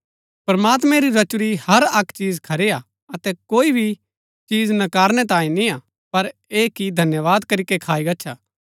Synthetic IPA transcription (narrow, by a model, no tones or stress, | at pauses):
pɾɐmaːt̪̬mɛ̃ɾiɾɐt͡ʃʊɾihɐɾɐkʰt͡ʃiːzkʰɐɾea | ɐt̪ɛkoːibʱi | t͡ʃiːd͡ʒnɐkaːɾnɛt̪̬ãːĩnĩa | pɐɾeːkid̪ʱɐnjəʋaːd̪kɐɾikekʰaːiɡɐtːʃʰaː